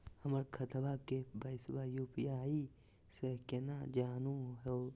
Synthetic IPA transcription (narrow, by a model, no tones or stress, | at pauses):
həməɾkʰət̪ʰbakebəɪsbajuːpijaːi | sekenad͡ʒaːnũɦe